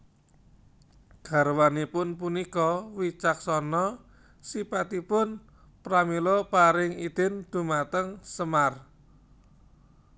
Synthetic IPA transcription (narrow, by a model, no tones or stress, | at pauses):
ɡ̥a̤ɾwanipʊnpunikɔwit͡ʃak̚sɔnɔ | sipat̪ipʊn | pɾamilɔpaɾɪŋid̪̥ɪ̤nd̪̥ṳmat̪əŋsəmar